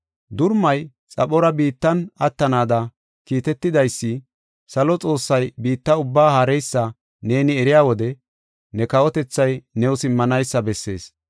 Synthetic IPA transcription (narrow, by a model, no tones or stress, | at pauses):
d̪ʊɾmɐj | t͡sʼɐɓɔɾɐbiːt̪ːɐnɐt̪ːɐnaːd̪ɐ | kiːt̪ɛt̪ːɪd̪ɐjsːɪ | sɐlɔt͡sʼo̞ːsːɐjbiːt̪ːɐʊbːaːhɐɾɛjsːɐ | ne̞ːnɪɛɾɪjaːwɔd̪ɛ | nɛkɐwɔt̪ɛt͡sːɐjnɛwʊsɪmːɐnɐjsːɐbɛsːe̞̰ːs